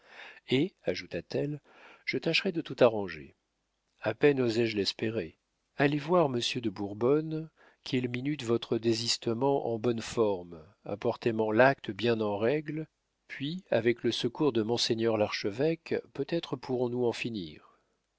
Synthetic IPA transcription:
eaʒut̪at̪ɛl | ʒ̥ət̪aʃʁɛd̪ət̪ut̪aʁɑ̃ʒḛ | apɛnozɛʒlɛspeʁe | alevwaʁməsjød̪əbuʁbɔn | kʲʰɛlminyt̪vɔt̪χəd̪ezist̪əmɑ̃ʔɑ̰̃bɔnfɔʁm | a̰pɔʁt̪emɑ̃lak̚t̪əbjɛ̃nɑ̃ʁɛɡl | pʰɥiavɛkləsəkuʁd̪əmɔ̃seɲœʁlaʁʃəvɛkpøt̪ɛt̪χəpʰuʁɔ̃nuɑ̃finḭːʁ

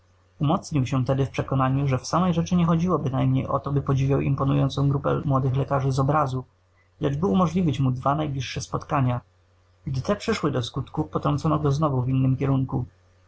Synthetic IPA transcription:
umɔt̪sɲiwɕɛt̪ɛd̪ɘfpʂɛkɔnaɲuʐɛfsamɛjʐɛt͡ʂɘɲɛxɔd͡ʑiwɔbɘnajmɲejʔɔ̰t̪ɔbɘpɔd͡ʑivʲjawḭmpɔnujɔnt̪sɔ̃w̃ɡɾupɛ̰mwɔd̪ɘxlɛkaʐɘzɔbɾazu | lɛd͡ʐbɘumɔʐlʲivʲit͡ɕmud̪vanajblʲiʂːɛspɔt̪kaɲa | ɡd̪ɘt̪ɛpʂɘʂwɘd̪ɔskut̪kupɔt̪ɾɔnt̪sɔnɔɡɔznɔvuvʲinːɘmkʲɛɾuŋku

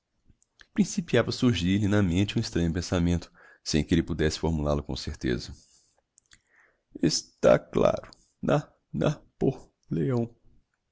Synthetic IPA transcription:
pɾĩsipiavɐsuɾʒilɪnɐmẽnt͡ʃɪũist̪ɾɐ̃ɲʊpẽsamẽnt̪ʊ̥ | sẽj̃kɪelɪpud̪ɛsɪ̥foɾmulalʊkõ̰seɾt̪ḛzɐ | ɪst̪a̰kla̰ɾʊ | nɐ | nɐpoh | leɐ̃w̃

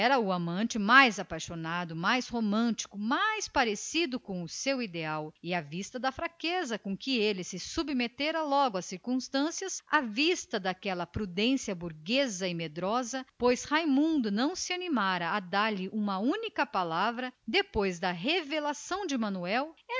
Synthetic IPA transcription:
ɛɾɐʊamɐ̃t͡ʃɪmajzapajʃonad̪ʊmajshomɐ̃nt͡ʃi̥kʊmajspaɾesid̪ʊkõw̃ʊsewid̪eawɪavist̪ɐd̪ɐfɾakezɐkõkɪelɪsɪsubmet̪eɾɐlɔɡʊɐsiɾkũst̪ɐ̃siɐsavist̪ɐd̪akɛlɐpɾud̪ẽsiɐbuɾɡezɐɪmed̪ɾɔzɐpojshajmũnd̪ʊnɐ̃w̃sɪanimaɾɐːd̪aɾlɪʔũmɐũnikɐpalavɾɐd̪epojzd̪ɐɦevelasɐ̃w̃d͡ʒɪmɐ̃nuɛwɛ

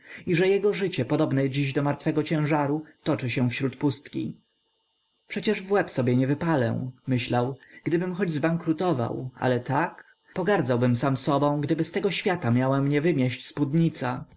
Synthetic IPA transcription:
iʐɛjɛɡɔʐɘt͡ɕɛpɔd̪ɔbnɛd͡ʑiʑd̪ɔmaɾt̪fɛɡɔt͡ɕɛ̃w̃ʐaɾut̪ɔt͡ʂɘɕɛ̃fɕɾut̪pust̪kʲḭ | pʂɛt͡ɕɛʐvwɛpsɔbʲjɛɲɛvɘpalɛ̰mɘɕlawɡ̥d̪ɘbɘmxɔd͡ʑzbaŋkɾut̪ɔva̰wa̰lɛt̪ak | pɔɡaɾd̪zawbɘmsamsɔbɔ̃w̃ɡd̪ɘbɘst̪ɛɡɔɕfʲjat̪amʲjawɛmɲɛvɘmʲjɛɕt͡ɕspud̪ɲit̪sa

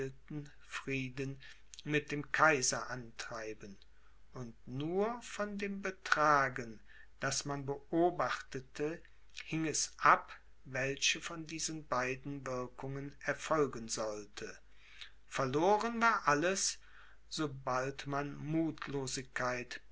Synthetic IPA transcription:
ltn̩ | fʁ̥iːdən | mɪt̚d̥eːmkʰaɪzɐʔantʁ̥aɪbən | ʔʊntnuːɐfɔndeːmbətʁ̥aːɡən | d̥asmanbəʔoːbaχtətʰə | hɪŋɛsʔap | vɛlçəfɔndiːzənbaɪdn̩vɪɐkʊŋənɛɐfɔlɡənzɔltʰə | fɛɐloːʁənvaːɐʔaləs | z̥oːbaltmanmuːtʰloːzɪçkʰːaɪt

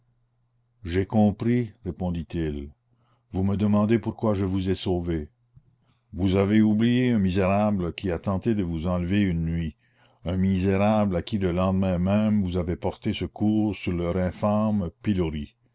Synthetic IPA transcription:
ʒekɔ̃pɾiʁepɔ̃d̪it̪il | vuməd̪əmɑ̃d̪epuʁkwaʒəvuzɛsoːve | vuzaveublijeɛ̃mizeʁabləkʲiat̪ɑ̃t̪ed̪əvuzɑ̃ləveynːɥi | ɛ̃mizeʁablakʲiləlɑ̃d̪mɛ̃mɛmvuzavepɔʁt̪esəkuːʁsyʁlœːʁɛ̃fampiloɾi

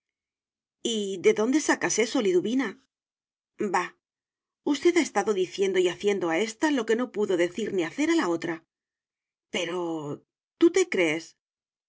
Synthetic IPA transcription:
iðe̞ðo̞nd̪e̞sakase̞so̞liðuβina | ba | ust̪e̞ðae̞st̪aðo̞ðiθje̞nd̪oiaθje̞nd̪o̞ae̞st̪alo̞ke̞no̞puðo̞ðe̞θiɾniaθe̞ɾalao̞t̪ɾa | pe̞ɾo̞ | t̪ut̪e̞kɾe̞ːs

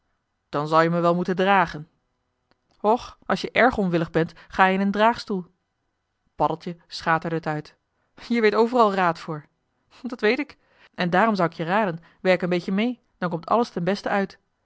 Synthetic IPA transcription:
d̥ɑnzɑlˠjəməʋɛlˠmutəndraːχən | ɔχʔɑlˠʃjəʔɛɹχɔnʋɪləχbɛntχaːjəɪnəndraːχstulˠ | pɑdəlˠtjəsχaːtəɹdəɦətœɥt | jiəɹʋejtowvərɑlˠraːtfʊːɹ | dɑtʋejtɪk | ʔɛndaːrɔmzʌwɪkjəraːdən | ʋɛɹɪkənbejcəmej | d̥ɑnŋkɔmtɑ̰ləstɛnbɛstəœɥt

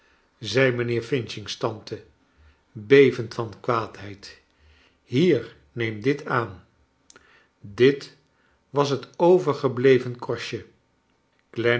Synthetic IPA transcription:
zɛjmənɪːɹfɪnʃɪŋstɑntʰə | bejvəntfɑnkʋaːtɦɛjt | ɦiːɹ | nejmdɪtʰaːn | dɪt | ʋɑs̬ɦətowvəɹχəblejvənkɔɹʃə | klɛ

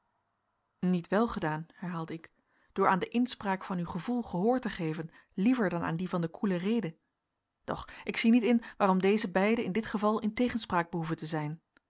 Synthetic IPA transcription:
nitʋɛlˠχədaːnɦɛɹɦaːlˠdəɪk | d̥ʊːɹaːndəʔɪnspraːkfɑnywχəvulˠχəɦʊːɹtəχejvən | livəɹdɑna̰ːndivɑndəkʰulərejdə | d̥ɔ̰χʔɪksinitɪnʋaːrɔmdejzəbɛjdəɪndɪtχəvɑlˠɪntejχənspraːɡ̚bəɦuvəntəzɛjn

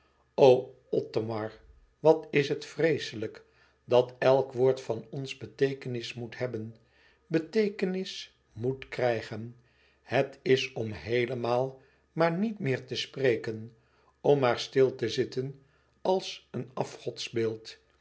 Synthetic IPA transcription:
ow | ɔtomɑɹ | ʋɑtɪsɦətfrejsələk | dɑtɛlˠkʋʊːɹtfɑnɔnzbətejkənɪsmutɦɛbən | bətejkənɪs | mutkrɛjχən | hətɪsɔmɦejləmaːlˠ | maːɹnitmɪːɹtəsprejkən | ɔmaːɹstɪlˠtəzɪtən | ɑlˠsənɑfχɔtsbɪːlˠt

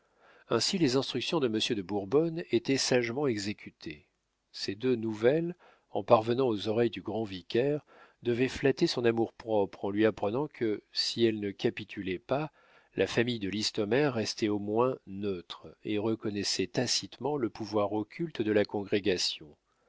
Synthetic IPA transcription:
ɛ̃silezɛ̃st̪χyksjɔ̃d̪əməsjød̪əbuʁbɔnet̪ɛsaʒmɑ̃ɛɡzekʲyt̪ʰe | sed̪ønuvɛl | ɑ̃paʁvənɑ̃ozɔʁɛjd̪yɡʁɑ̃vikʲɛʁ | d̪əvɛflat̪esɔ̃namuʁpχɔpχɑ̃lɥiapχənɑ̃kʰəsiɛlnəkʲapit̪ʰylɛpa | lʔafamijd̪əlist̪ɔmɛʁːɛst̪ɛomwɛ̃nøt̪χeʁəkɔnɛsɛt̪asit̪mɑ̃ləpuvwaʁɔkʲʰylt̪d̪əlakɔ̃ɡʁeɡasjɔ̃

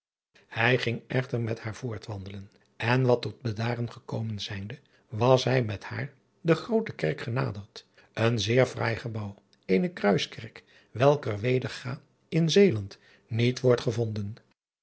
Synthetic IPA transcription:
hɛjχɪŋɛχtəɹmɛthaːɹv̥ʊːɹtʋɑndələn | ɛnʋɑtɔd̚bədaːrənχəkowmənzɛjndə | ʋɑsɦɛjmɛtha̰ːɹ | dəχrowtəkɛɹkχəna̰ːdəɹt | ʔənzɪːɹfra̰ːjχəbɑw | ejnəkrœɥskɛɹk | ʋɛlˠkəɹʋejdəɹχaː | ɪnzejlɑnt | nitʋɔɹtχəvɔndən

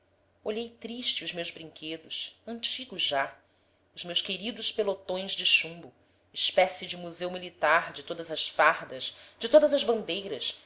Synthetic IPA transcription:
oʎejt̪ɾiʃt͡ʃɪʊzmewzbɾĩŋkʰed̪ʊʃɐ̃nt͡ʃiɡʊʒa | ʊzmewskeɾid̪ʊʃpelot̪õj̃zd͡ʒɪʃũmbʊ | ɪʃpɛsɪd͡ʒɪmuzewmilit̪aɾd͡ʒɪt̪od̪ɐzɐsfaɾd̪ɐʃd͡ʒɪt̪od̪ɐzɐzbɐ̃nd̪ejɾɐs

